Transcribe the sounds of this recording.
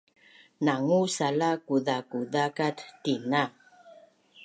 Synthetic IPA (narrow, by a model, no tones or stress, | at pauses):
naŋusalakudakudakattːina